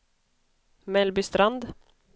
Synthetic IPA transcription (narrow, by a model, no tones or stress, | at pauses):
mɛlbʏst̪ɾand̪